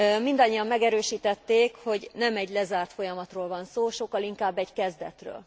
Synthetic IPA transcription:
mind̪ɒɲːijɒmːɛɡɛɾøːʃiːt̪ɛt̪ːeːkho̞ɟnɛmɛɟlɛzaːrt̪fo̞jɒmɒt̪roːlvɒnsoːʃo̞kːɒliŋkaːbːɛɟkɛzd̪ɛt̪rø̰ːl

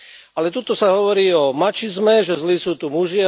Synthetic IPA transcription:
alɛt̪ut̪ɔsaɦɔʋɔɾiːɔmat͡ʃizmɛʒɛzlisuːt̪umuʒɪa

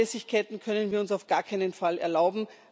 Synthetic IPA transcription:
ɛsɪçkʰaɪtn̩kʰœnənviːɐʊnsaʊfɡ̥aːkʰaɪnənfalɛɐlaʊbm̩

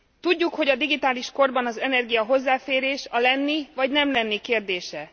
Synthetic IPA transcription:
t̪uɟːukho̞ɟɒd̪iɡit̪aːliʃko̞rbɒnɒzɛnɛrɡijɒɦo̞zːaːfeːɾeːʃɒlɛnːivɒɟnɛmlɛnːikeːrd̪eːʃɛ

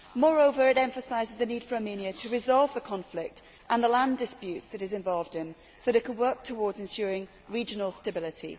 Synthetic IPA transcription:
mɔːɹoʊvə˞ɪɾɛ̃ɱfəsaɪzɪzðəniːd̥fəɹɑmĩniətʰəɹɪzɒlˠvðəkʰɒ̃ɱflɪk̚t | ʔə̃nðəlãndɪspjʉˑtsðɨɾɨzɪ̃ɱvɒlˠvdɪ̃n | soʊðəɾɪʔ̚kʰə̃nwɜˑ˞k̚tʰəwɔːdzɪ̃nʃɔːɹɪ̃ŋ | ɹid͡ʒənəl̩ˠstəbɪlɪtʰḭ

